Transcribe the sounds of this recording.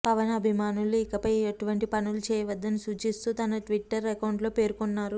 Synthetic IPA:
pɐʋɐnɐbʱimaːnuluikɐpɐjeʈuʋɐɳʈipɐnulut͡ʃɛːjɐʋɐd̪ːɐnisut͡ʃist̪uːt̪ɐnɐʈʋiʈːɐɾːekɐwɳɖlo̞pe̞ːɾkonːaːɾu

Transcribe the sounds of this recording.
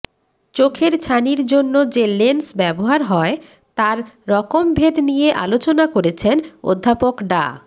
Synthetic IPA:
t͡ɕokʰeɾt͡ɕʰaniɾd͡ʑonːod͡ʑelensbɛboɦaɾɦɔe | t̪aɾːɔkombʱed̪nijeʔa̰lot͡ɕonakoɾet͡ɕʰeno̰d̪ʱːapokɖa̰

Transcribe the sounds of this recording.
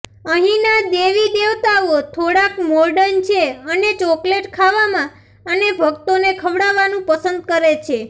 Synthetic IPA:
əɦĩnad̪eʋid̪eʋt̪aot̪ʰoɽakmɔɾɖənt͡ʃʰeənet͡ʃɔkleʈkʰaʋamã | ənebʱəkt̪onekʰəʋɽaʋanũpəsənd̪̚kəɾet͡ʃʰe

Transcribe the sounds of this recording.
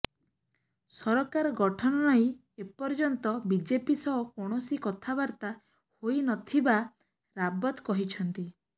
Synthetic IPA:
sɔɾɔkaɾɔɡɔʈʰɔnɔnɔĩ | epɔɾd͡ʒɔnt̪ɔbid͡ʒepisɔɔkɔɽ̃ɔsikɔt̪ʰabaɾt̪a | hojnɔt̪ʰiba | ɾabɔt̪kɔɦit͡ʃʰɔnt̪i

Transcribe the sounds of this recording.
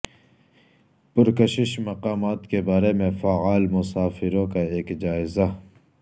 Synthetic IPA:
pʊɾkəʃɪʃmɐqaːmaːt̪kebaːɾemẽfaːaːlmʊsaːfɪɾõkaeːkd͡ʒaːɪza

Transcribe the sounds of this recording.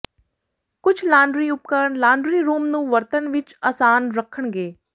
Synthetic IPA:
kʊt͡ʃʰlãːɳɖɾiːʊp̚kəɾəɳlãːɳɖɾiːɾuːmnũːʋəɾt̪ənʋɪt͡ʃaːsaːnɾəkʰːəɳ̃ɡeː

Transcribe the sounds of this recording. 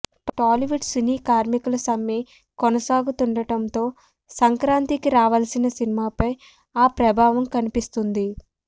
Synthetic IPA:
ʈaːliʋuʈsiniːkaːɾmikulɐsɐmje | kɔnɐsaːɡut̪uɳɖɐʈɐnt̪o̞ː | sɐŋkɾaːnt̪ikiɾaːʋɐlɐsinɐsinimaːpɐj | aːpɾɐbʱaːʋɐmkɐnipist̪und̪i

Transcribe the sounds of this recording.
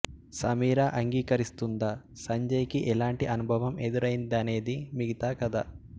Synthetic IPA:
sɐmiːɾaːʔɐŋɡiːkɐɾist̪und̪aː | sɐɲd͡ʒɐjkiʔɛlaːɳʈiʔɐnubʱɐʋɐme̞d̪uɾɐjind̪ɐne̞ːd̪imiɡit̪aːkɐd̪aː

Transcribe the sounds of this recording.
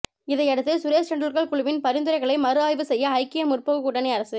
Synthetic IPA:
ɪðɐɪɛɽɯt̪ːɯsʊɾeːst͡ʃɐɳɖɾɯɾɣɐɭkʊɻʊʋɪnpɐɾɪnd̪ɯɾɐɪɣɐɭɐɪmɐɾɯaːjʋɯsɛjːɐːɪkːɪjɐmʊrpɐɣɯkʊɽɐnɛɪɐɾɐsɯ

